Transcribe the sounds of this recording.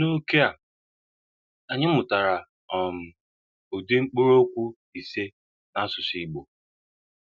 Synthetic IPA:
no˦ke˦a˨ | a˨ɲɪ˦mʊ˨ta˨ɾa˨ | ɔ˨m̩˨ | o˨di˦ŋ͡m̩˦k͡po˦ɾo˦kʷu˦ | i˨se˦ | na˦sʊ˨si˨ɡ͡bo˨

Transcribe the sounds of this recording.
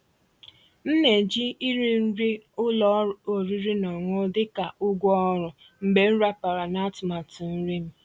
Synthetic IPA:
n̩˦ne˨d͡ʒi˦i˦ɾi˦n̩˦ɾi˦ʊ˦lɔ˦o˨ɾi˦ɾi˦nɔ˨ŋʊ˦dɪ˦ka˨ʊ˦ɡʷɔ˦ɔ˦ɾʊ˨ | m̩˨be˨n̩˦ɾa˦pa˨ɾa˨na˦tʊ˨ma˨tʊ˨n̩˦ɾi˦m̩˦

